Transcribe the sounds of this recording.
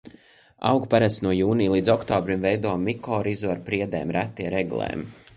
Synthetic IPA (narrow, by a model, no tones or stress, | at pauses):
a̰wɡpaɾast̪nuɔjuːniːlˠiːd̪zɔkt̪ɔːbɾimvɛjd̪uɔmːikɔːɾizuaɾpɾiɛd̪ɛ̰ːmɾæt̪ːiɛɾɛɡṵlˠɛ̰ːm